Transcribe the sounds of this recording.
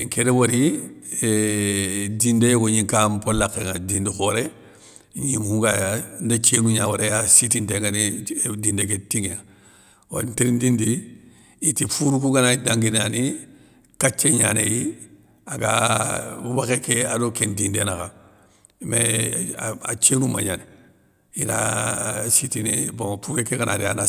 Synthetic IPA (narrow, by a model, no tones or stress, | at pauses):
ŋkeɾewoɾi | dindejoɡoɲiŋkampolːakːeŋadindixoɾe | ɲimhuŋɡajandat͡ʃenuɲawaɾejasitinteŋɡanidindek̬etiŋeŋa | wa̰ntiɾindindi | itifuɾukuɡanaidaŋɡinani | kat͡ʃːeɲa̰nḛji | aɡa̰ | ubakekeadokendindenaka | me | a̰t͡ʃeːnuma̰ɲane | ina̰ | sitineboŋfukekekanʔaɾia̰na